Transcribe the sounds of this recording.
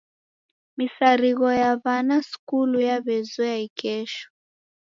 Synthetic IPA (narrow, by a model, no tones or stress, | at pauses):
misaɾiɣɔjaβanaskulujaβɛzɔjaikɛʃɔ̥